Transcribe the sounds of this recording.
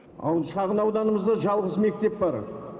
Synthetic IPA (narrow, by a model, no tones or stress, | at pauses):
ɑ̰w̪ʃɑʁənɑwd̪ɑnəməzd̪ɑʒɑlˠʁəzme̞k̚t̪e̞p̚bɑɾ